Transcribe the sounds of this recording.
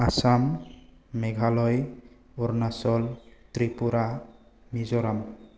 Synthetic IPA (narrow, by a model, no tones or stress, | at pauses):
asamː | ɛɡʱalɔj | ɔɾnasɔlt̪ɾipuɾamizɔɾam